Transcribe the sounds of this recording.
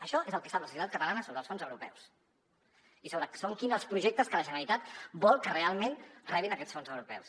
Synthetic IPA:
əʃɔezəlˠkɛsapləsusit̪at̪̚kət̪əlanəsoβɾəlˠsfonzəwɾupɛ̰ws | isoβɾəsoŋkinzəlˠspɾuʒek̚t̪əskələʒənəlit̪at̪bɔlˠkərealˠmenrɛβinəkɛtsfonzəwɾupɛ̰ws

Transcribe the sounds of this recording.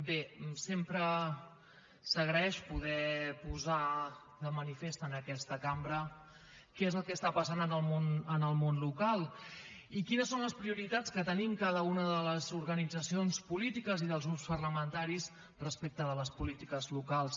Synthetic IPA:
besempɾə | səɣɾəɛʃpuð̞ɛpuza | ðəmənifest̪ənəkɛst̪əkambɾə | kɛezəlˠkɛst̪apəsanənəlˠmonənəlˠmonlukalˠikinəsonləspɾiuɾit̪at͡skət̪ənimkaðəunəðələzuɾɣənid͡zəsionspulit̪ikəziðəlzɣɾupspərləmənt̪aɾis | rəspek̚t̪əðələspulit̪ikəzlukalˠs

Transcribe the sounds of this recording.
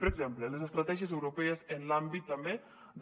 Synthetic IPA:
pəɾəɡzemplələzəst̪ɾat̪ɛʒiəzewɾupɛəzənlambit̪ːambe | d̪

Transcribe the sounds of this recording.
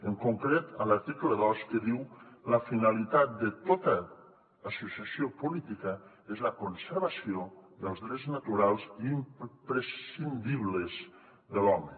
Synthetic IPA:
əŋkuŋkɾet̪ələɾt̪ikləðɔskeðiwləfinalit̪at̪̚d̪et̪ot̪əː | susiasiopulit̪ikə | ezləkonsəɾβasijoðəlˠzðɾeznat̪uɾalˠziːmpɾesind̪iβlez | ðəlɔmə

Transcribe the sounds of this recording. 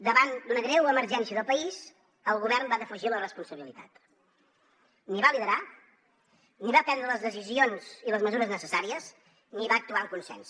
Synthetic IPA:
d̪əβand̪unəɣɾɛwəməɾʒɛnsiəðəlˠpəiz | əlˠɣuβɛrmbaðəfəʒilərəspunsəβilit̪a̰t̪ | niβaliðəɾa | niβapɛnd̪ɾələzðəsizionziləzməzuɾəznəsəsaɾiəz | niβaək̚t̪uaəŋkunsɛ̰ns

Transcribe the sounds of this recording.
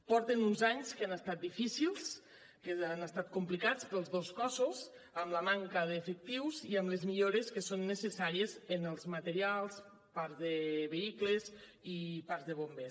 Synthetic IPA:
pɔɾt̪enunzaɲskanəst̪at̪̚d̪ifisilˠs | kəanəst̪at̪̚kumplikat͡spɾəlˠzðoskɔsuz | əmləmaŋkəðeːfək̚t̪iwziəmlezmiʎoɾeskəsonːəsəsaɾiezənəlˠzmət̪əɾialˠs | paɾzðəβeikləz | ipaɾzðəβ̞ombe

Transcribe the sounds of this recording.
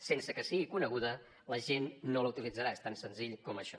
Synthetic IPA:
sensəkəsiɣikunəɣ̞uðə | ləʒenːoləut̪ilid͡zəɾaest̪ansənziʎkɔməʃɔ

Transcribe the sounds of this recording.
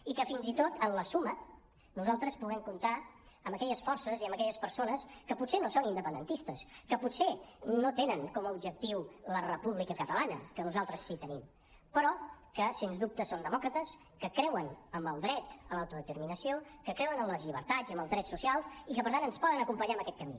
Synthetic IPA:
ikəfinzit̪ot̪ʰənləsumə | nuzalˠt̪ɾəspuɣɛmkunt̪aəmbəkɛʎəsfɔrsəziəmbəkɛʎəspəɾsonəskəpusenosonind̪əpənd̪ə̰nt̪ist̪əskəpusenot̪enəŋkɔməubd͡ʒək̚t̪iwlərəpuβlikəkət̪əlanə̰kənuzalˠt̪ɾəsːit̪ənim | pəɾɔkəsenzd̪up̚t̪əsond̪əmɔkɾət̪əs | kəkɾɛwənəmbəlˠd̪ɾɛt̪əlawt̪uðət̪əɾminəsiokəkɾɛwənəmləzʎiβ̞ə̰ɾt̪ad͡zəmbəlˠzðɾɛsusialˠsikəpəɾt̪anənspɔðənəkumpəɲaəmbəkɛt̪̚kəmḭ

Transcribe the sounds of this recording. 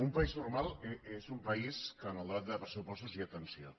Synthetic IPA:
umpəiznurmalˠeezumpəiskənalˠd̪at̪̚d̪əpɾəsupɔst̪uziət̪ənsio

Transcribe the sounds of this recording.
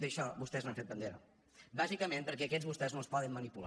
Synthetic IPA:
d̪əʃɔβust̪ɛznaɱfet̪bənd̪eɾə̰ | bazikəmempəɾkɛəkɛzβust̪ɛznõspɔðəmːənipul

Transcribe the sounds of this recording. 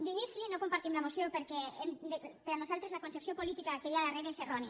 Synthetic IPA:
d̪inislinokompaɾt̪imlamosjopeɾkeend̪epeɾanosalˠt̪ɾezlakonsepsjopolit̪ikakejalareβeseroni

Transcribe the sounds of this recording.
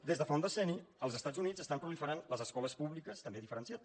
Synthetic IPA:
d̪ezðəfɔnd̪əsɛniəlˠzəst̪ad͡zunizəst̪ampɾulifəɾanləzəskɔləspuβlikəst̪əmbeðifəɾənsiat̪

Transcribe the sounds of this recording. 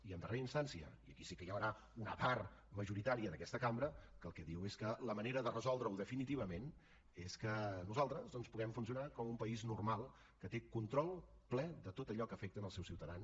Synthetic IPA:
iənd̪əreɾəinst̪ansiə̰iəkisikəjawɾa | unəparməʒuɾit̪aɾiəðəkɛst̪əkambɾəkəːlˠkɛðiweskələməneɾəðərəzɔlˠd̪ɾəwðəfinit̪iβ̞əmen | eskənuzalˠt̪ɾəzðɔnspuɣɛmfunsiunakɔmumpəiznurmalˠ | kət̪ekunt̪ɾɔlˠ | plɛðət̪ot̪əʎɔkəfɛk̚t̪ənəlˠsɛwsiwt̪əðans

